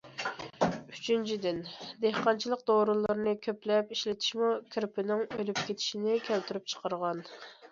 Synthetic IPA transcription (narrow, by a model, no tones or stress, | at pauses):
yt͡ʃʰynt͡ʃʰid̪ɪnd̪ehqɑnt͡ʃʰilˠəq̚d̪oɾɨlˠɨɾnɨkʲʰøplɛpiʃlɪt̪ʰi̥ʃmukʲʰɾpʰɪnɪŋølyp̚kʲet̪ʰɪ̥ʃinɪkʲʰælt̪ʰyɾyp̚t͡ʃʰə̥qəɾʁɑn